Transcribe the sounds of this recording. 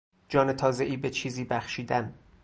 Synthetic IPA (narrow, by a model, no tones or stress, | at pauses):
d͡ʒɒːne̞t̪ʰɒːze̞ʔiːbe̞t͡ʃʰiːziːbæχʃiːd̪æn